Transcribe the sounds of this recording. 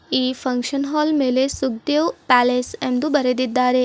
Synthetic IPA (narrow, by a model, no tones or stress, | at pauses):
iːpʰɐŋkʂɐnɦaːlmeːlesuɡ̚d̪eʋpæːleːsend̪ubɐɾed̪id̪ːaːɾe